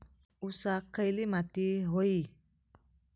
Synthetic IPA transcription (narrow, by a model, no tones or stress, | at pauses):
usakʰːəjlimat̪iɦoi